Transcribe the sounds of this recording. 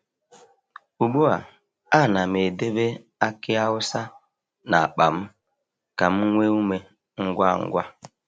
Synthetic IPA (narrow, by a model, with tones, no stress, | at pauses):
u˨ɡ͡bu˦a̰˨ | a˦˨na˨m˨e˨de˦be˦ | a˦kɪ˦a˦ʊ˦sa˦ | na˨a˨k͡pa˨m̩˦ | ka˨m̩˦ŋʷe˦u˦me˦ | ŋ̩˦ɡʷa˦˨ŋ̩̰˦ɡʷa˦